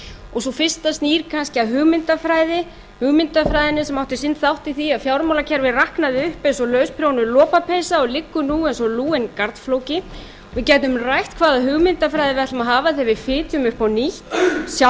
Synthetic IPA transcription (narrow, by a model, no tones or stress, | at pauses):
ɔɣsɔfɪr̥st̪ast̪niːɾ̥kʰanscɪaðɦʏːɣmɪnt̪afɾaːjðɪ | hʏɣmɪnt̪afɾajðɪnɪsɛmawht̪ɪsɪnt̪θawht̪iθiaðfjaːwɾmawlacʰɛɾvɪrahknaðɪʏhpɛnsɔlœːɥspʰɾownʏlɔːpapʰejsaɔɣlɪkːʏnuɛnsɔluːɪnkaɾt̪nflowcɪ | vɪðcɛːt̪̬ʏmrajht̪kʰvaːðaɦʏɣmɪnt̪afɾajðɪvɛht̪amaɦaːvaθɛvɪfɪːt̪ʰjʏmʏhpawniht̪sja